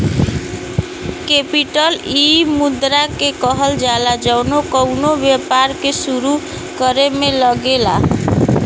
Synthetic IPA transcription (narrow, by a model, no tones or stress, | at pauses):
kepiʈʌlimud̪ɾakekʌɦʌld͡ʒalad͡ʒʌwnokʌwnobjʌpaɾkesuɾu | kʌɾemelʌɡela̰